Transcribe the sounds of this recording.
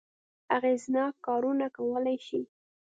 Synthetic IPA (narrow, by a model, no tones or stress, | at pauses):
aɣeznɑkːɑɾunakawəlajʃi